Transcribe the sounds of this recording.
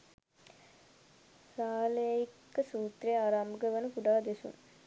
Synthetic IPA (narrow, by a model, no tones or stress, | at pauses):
saːlejikːəsuːt̪rɐjaːɾaːmbəɡəʋɐnukuɖaːd̪esṵn